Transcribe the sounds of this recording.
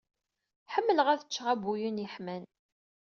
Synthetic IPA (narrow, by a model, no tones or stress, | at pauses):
ħəmːələʁæθə̥t͡ʃːʁæbujəniħmæn